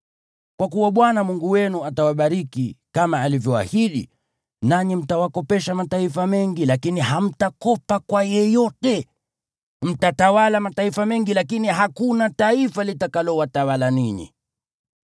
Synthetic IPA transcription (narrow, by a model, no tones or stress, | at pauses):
kwakuwaɓwanamuŋɡuwɛnuatawaɓaɾikikamaːlivjɔwa̰hiɗḭ | naɲim̩tawakɔpɛʃamataifamɛŋɡilakiniɦam̩takɔpakwajɛjɔtɛ | m̩tatawalamataifamɛŋɡilakiniɦakunataifalitakalɔwatawalaniɲḭ